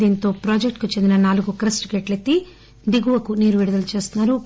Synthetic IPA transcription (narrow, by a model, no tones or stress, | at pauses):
iːnt̪o̞ːpɾaːd͡ʒekʈkut͡ʃe̞nd̪inɐnaːluɡukɐɾɐsʈɡeːʈlet̪ːi | ɖ̪iɡuʋɐkuniːɾʋiɽud̪ɐlut͡ʃe̞ːst̪unːaːɾu